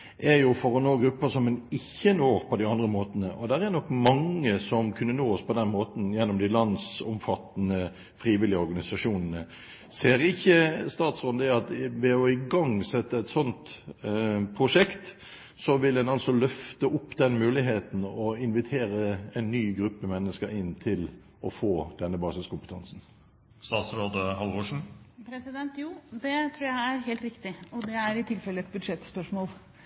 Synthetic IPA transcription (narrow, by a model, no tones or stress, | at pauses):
ʔɛɾjʊfɔɾɔnoːɡɾʉpːəsɔmɛnɪçːənoːɾpʰɔd̪ɪɑnd̪ʁəmoːt̪ənəʔɔd̪æɾænɔkːmɑŋːəsɔmkʰʉnːənoːɔspʰɔd̪ɛnmoːt̪n̩jɛnːɔmd̪ɪlɑnd̪sɔmfɑt̪ːənə | fʁiːʋɪlɪəɔɾɡɑnɪsɑʂuːnənə | seːɾɪçːəst̪ɑːt̪sʁɔnd̪əɑt̪ʋɛɔɪɡɑŋsɛt̪ːəɛt̪sɔnt̪ | pʰʁʊʂɛkt̪ | sɔʋɪldɛnɑlsɔlœft̪əʔʊpːd̪ɛnmʉːlɪɦeːt̪n̩ɔɪnʋɪt̪ʰeːɾəɛɪnːyːɡɾʉpːəmɛnːəskəɾɪnːt̪ʰɪl | ɔfoːd̪̥ɛnːəbɑːsɪskʊmpət̪ʰɑnsn̩ | st̪ɑːt̪sɾoːd̪əɦɑlʋoːʂɳ̩pʰɾɛsɪd̪ɛnt̪juːd̪ɛt̪ʰɾuːææɾɦeːlt̪ɾɪkt̪ɪɔd̪ɛæɾɪt̪ʰɪlfɛlːəɛt̪̚bʉd̪ʂɛt̪ːspœʂmoːl